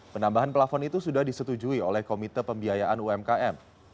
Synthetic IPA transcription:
pənambaɦanpəlafɔnit̪usudahdisət̪ud͡ʒuiolɛhkomit̪ərpəmbiajaʔanuɛmkaʔɛm

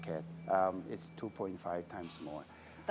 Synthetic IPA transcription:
kʰɛtmɪtstʰupʰɔ̃ɪ̃ntfaɪv̥tʰãɪ̃mzmɔ̰ɹ

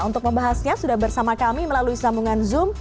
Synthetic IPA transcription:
unt̪ʊk̚məmbaɦasɲasudahbərsamakamiməlaluisamuŋanzʊm

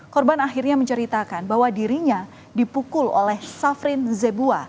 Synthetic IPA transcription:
kɔrbanaxirɲaməɲt͡ʃəɾit̪akanbaɦwadiɾiɲa | dipukʊlo̰lɛhsafɾɪnzebua

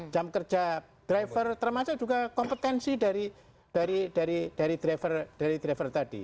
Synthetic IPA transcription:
d͡ʒ̥amkərd͡ʒa | d̪̥ɾajfərt̪ərmasʊʔd͡ʒuɡakɔmpət̪ɛnsidaɾi | d̥aɾid̥aɾid̥aɾid̪̥ɾafərd̥aɾid̪ɾafərt̪ad̥ḭ

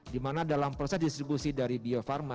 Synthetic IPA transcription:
dimanadalampɾosɛsdist̪ɾibusidaɾibiofarma

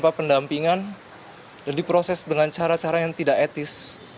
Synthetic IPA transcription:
papəndampiŋan | dandipɾosɛsdəŋant͡ʃaɾat͡ʃaɾajaŋt̪idaʔet̪ɪs

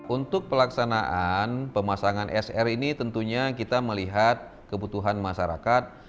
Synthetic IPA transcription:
unt̪ʊk̚pəlaksanaʔanpəmasaŋanʔɛsɛrinit̪ənt̪uɲakit̪aməliɦat̪̚ | kəbut̪uɦanmaʃaɾa̰kat̪̚

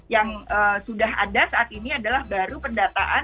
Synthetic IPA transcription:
jaŋəːsudaɦa̰dasaat̪iniadalahbaɾupəndat̪a̰ʔa

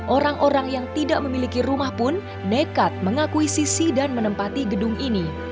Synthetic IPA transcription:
ʔoɾaŋʔoɾaŋjaŋt̪idaʔməmilikirumahpʊnː | ekat̪̚məŋakuisisidanmənəmpat̪iɡədʊŋini

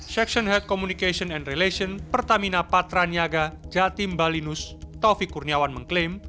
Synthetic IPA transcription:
ʃɛkʃɔnɦɛlt̪̚kɔmunikesɔnɛnreleʃɔnpərt̪aminapat̪ɾaniaɡad͡ʒat̪imbalinʊst̪ɔfikːurniawanməŋklem

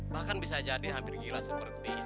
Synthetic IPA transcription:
bahkanbisad͡ʒadiɦampɪrɡilasəpərt̪i

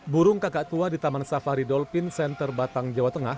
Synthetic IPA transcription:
buɾʊŋkakaʔt̪uadit̪amansafaɾidɔlfɪnsɛnt̪ərbat̪aŋd͡ʒawat̪əŋah

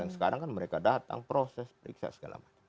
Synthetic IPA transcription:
aŋsə̥kaɾaŋkanməɾekadat̪a̰ŋpɾosɛspəɾḭksa̰səɡa̰la̰mat͡ʃ

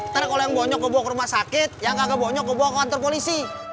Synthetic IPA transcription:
t̪aɾkolojaŋboɲɔkːəbuakəɾumahsakɪt̪̚jaŋɡaɡaboɲɔk̚ːəboakəwant̪ɔrpolisi

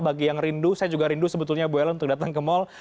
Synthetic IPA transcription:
baɡijaŋrindusajad͡ʒuɡaɾindusəbət̪ʊlɲaboɛlunt̪ʊk̚dat̪aŋkəmɔl

